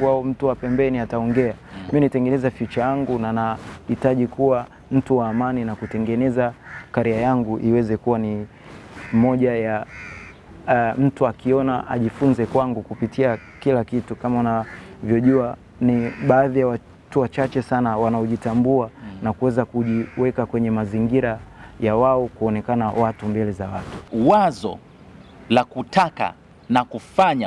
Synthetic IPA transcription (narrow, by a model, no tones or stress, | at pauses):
waɔm̩tuapɛmbɛniataɔŋɡɛaminitɛŋɡɛnɛzafit͡ʃajaŋɡunanahitaʄikuwa | m̩tuwaːmaninakutɛŋɡɛnɛzakaɾiajaŋɡuʔiwɛzɛkuwani | mmɔʄaja | m̩tuakiɔnaʔa̰ʄifunzɛkwaŋɡukupitia | kilakitukamaunavjɔʄua | niɓaːðijawa | tuwat͡ʃat͡ʃɛsanawanaɔʄitambuanakuwɛzakuʄiwɛkakwɛɲɛmaziŋɡiɾajawaɔkuɔnɛkanawatumbɛlɛzawatu̥wazɔ̰ | lakutaka̰ | nakufaɲa